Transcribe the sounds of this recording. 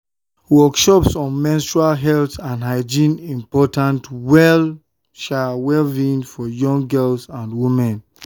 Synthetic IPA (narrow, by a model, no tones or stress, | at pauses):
wɔkʃɔpsɔ̃nmɛ̃nstɹalɦɛltãndɦaɪd͡ʒĩnĩmpɔtãntwɛl | ʃawɛvĩnfɔjɔ̃ŋɡɛlsãndwimɛ̃n